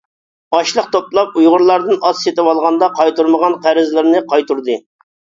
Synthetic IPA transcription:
ɑʃlˠəqt̪ʰop̚lˠɑp̚ujʁʊɾlˠɑɾd̪ɨnɑsset̪ɪwɑlˠʁɑnd̪ɑqʰɑjt̪uɾməʁɑnqʰæɾɪzlɪɾnɪqʰɑjt̪uɾd̪ɨ

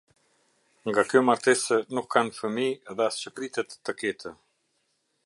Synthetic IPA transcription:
ŋɡakœmaɾt̪ɛsənukʰːanfəmiðɛast͡ɕəpɾit̪ɛt̪ːəkɛt̪ʰə

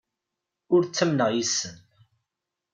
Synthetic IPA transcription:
ʊɾt͡sːæmnəʁjisːən

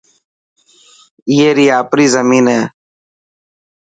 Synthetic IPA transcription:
iːeːɾiːaːpɾiːzəmiːnɦeː

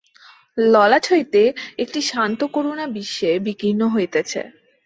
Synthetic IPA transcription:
lɔlaʈʰojt̪eek̚ʈiʃant̪okoɾonabiʃːebikinːoɦojet̪et͡ɕʰḛ

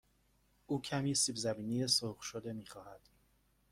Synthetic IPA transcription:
ʔuːcʰæmisiːbzæbiːnijesoχʃod̪e̞miːxɒːhæd̪̥

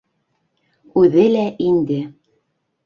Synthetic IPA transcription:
ʉðɘlæʔind̪ɘ

